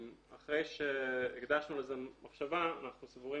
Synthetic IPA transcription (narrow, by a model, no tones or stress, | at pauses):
a̰χʁe̞jʃeiɡd̪aʃnulezemaχʃavaːnaχnusvuʁi